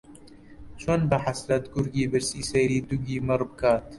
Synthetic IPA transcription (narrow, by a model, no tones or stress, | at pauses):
t͡ʃʰoːnbaħaslɐt̪ɡʊɾɡiːbɨɾsiːsɛjɾiːd̪uɡiːmɨrbɨkaːt̪